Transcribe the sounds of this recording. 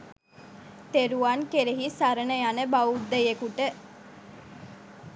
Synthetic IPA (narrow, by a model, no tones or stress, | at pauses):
t̪eɾuankeɾeɦisaɾənəjanəbaud̪ːəjekuʈə